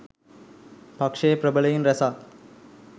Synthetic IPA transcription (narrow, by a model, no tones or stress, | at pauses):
pɐkʂeːpɾɐbɐɭɐjinɾɐsaː